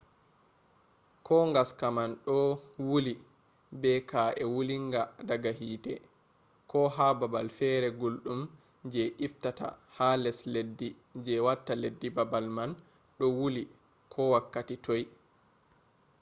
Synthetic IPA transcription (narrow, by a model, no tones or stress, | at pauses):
kʰɔŋɡaskamanɗɔwuli | bɛkʰaʔɛwuliŋɡadaɡaɦiːtɛ̰ | kʰɔɦababalfɛɾɛɡolɗum | d͡ʒɛʔiftata̰halɛsledːi | d͡ʒɛwatːaledːibabalman | ɗɔwuli | kʰɔwakːatitoj